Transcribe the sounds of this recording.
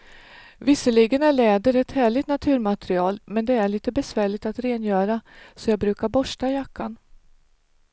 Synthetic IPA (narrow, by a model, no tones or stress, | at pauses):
vɪsːəɭiɡənæɭɛːd̪əɾɛt̪hæːɭɪt̪nat̪ʰʉ̟ːɾmat̪ɾɪɑːlmɛnd̪ɛæɭiːt̪əbɛsvæːɭɪt̪at̪ɾeːnjœːɾasɔjɑːɡ̚bɾʉ̟ːkaɾbɔʂʈajakʰːan